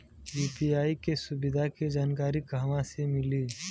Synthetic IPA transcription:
juːpiaːikesʊbɪd̪ʱaked͡ʒaːnkaːɾikaːʋãsemɪliː

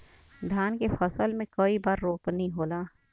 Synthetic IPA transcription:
d̪ʱjaːnkefɐsəlmẽkoːibaːɾːoːpnəɦĩɦoːlaː

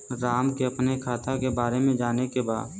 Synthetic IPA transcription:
ɾaːmkeɐpnekʰaːt̪akebaːɾemẽd͡ʒaːnekeba̰ːd̪

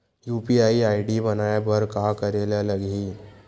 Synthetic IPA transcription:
juːpiaːiaːiɖibɐnaːebɐɾkaːkɐɾeːlalɐɡɦiː

